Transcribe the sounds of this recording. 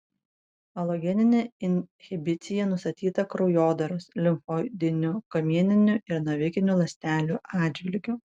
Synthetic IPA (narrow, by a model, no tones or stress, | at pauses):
ɐlˠoɡʲɛnʲɪnʲeːɪnʲhʲɪbʲɪt̪sʲɪjɛnʊst̪ɐt̪ʲiːt̪ɐkɾɔʊjoːd̪ɐɾʊslʲɪmfoːd̪ʲɪnʲukɐmʲiɛnʲɪnʲʊʔɪɾnɐʋʲɪkʲɪnʲulˠɐsʲt̪ʲæːlʲuːʔɑːd̪d͡ʒʲʋʲɪlʲɡʲʊ